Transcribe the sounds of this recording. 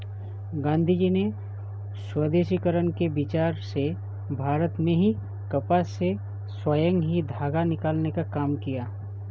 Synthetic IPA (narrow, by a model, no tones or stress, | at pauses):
ɡãːnd̪ʱid͡ʒine | swəd̪eːʃikəɾənkebɪt͡ʃaːɾse | bʱaːɾət̪mẽɦi | kɐpase | swaːjə̃ŋɡɦid̪ʱaːɡanɪkaːlnekakaːmkijaː